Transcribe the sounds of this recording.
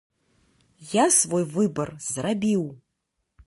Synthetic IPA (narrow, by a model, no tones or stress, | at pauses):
jasvojvɨbɐrz̥rabʲiw